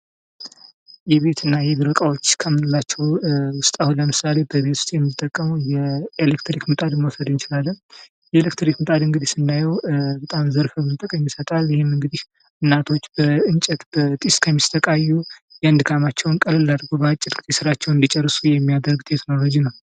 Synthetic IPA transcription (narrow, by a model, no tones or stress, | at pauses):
jɛβe̞t̪ʰɨnːajɛbɨɾəkʼawo̞t͡ʃːkʰəmːɨnɨlːat͡ʃːɛwwʊst̪ʼahunləmɨsale̞bəβe̞t̪ʰu̥st̪ʼjɛmːit̪ʼːəkʼːəmujɛelekt̪ʰɾikmɨt̪ʼad̪məwsəd̪ɨnt͡ʃɪlalːən | jɛelekt̪ɾikmɨt̪ʼad̪ɨŋɡɨd̪isɨnd̪ajɛwbət̪ʼamzəɾfəbɨzt̪ʼɨkʼəɲjɪsət̪ʼaljɪhemɨŋɡɨd̪ih | ɨnːat̪ʰo̞t͡ʃːbəɨnt͡ʃʼɛt̪b̥ət̪ʼiskʰəmːist̪ʰəkʼajːujɛnd̪ɨkʰamat͡ʃːɛwnkʼəlɨlːad̪ɡobəat͡ʃʼːɪdɡɨisɨɾat͡ʃːɛwɨnd̪it͡ʃʼɛrːɨsujɛmːijad̪əɾɡt̪ʼet̪məβəd͡ʒinəw